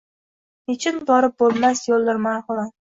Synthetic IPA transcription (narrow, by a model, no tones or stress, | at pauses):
het͡ʃʰɪnbɒɾɪp̚bolˠmasjolˠːɪɾmaːhʊlˠan